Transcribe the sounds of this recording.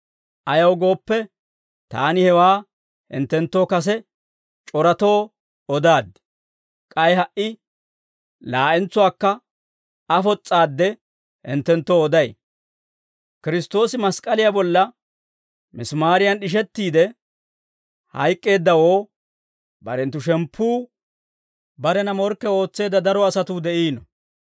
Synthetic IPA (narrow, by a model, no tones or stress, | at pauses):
ʔɐjɐwɡo̞ːpːɛ | t̪aːnɪhɛwaː | hɪ̰nt̪ːɛnt̪ːo̞ːkɐs̬ɛ | t͡ʃʼɔɾɐt̪o̞ː | ɔd̪aːd̪ | kʼɐjɦɐʔɪ | laːʔɛnt͡sːʊwaːkːɐ | ɐfɔt͡sʼːaːd̪ːɛ | hɪ̰nt̪ːɛnt̪ːoːɔd̪ɐj | kɪɾɪst̪o̞ːsɪmɐskʼɐlɪjabɔlːɐ | mɪsmaːɾɪjɐnɗɪʃ̬ɛt̪ːiːd̪ɛ | hɐ̰jkʼːe̞ːd̪ːɐwo̞ː | bɐ̰ɾɛnt̪ːʊʃɛmpʰːuː | bɐɾɛnɐmɔɾkːɛo̞ːt͡sːe̞ːd̪ːɐd̪ɐɾɔɐsɐt̪uːd̪ɛʔiːnɔ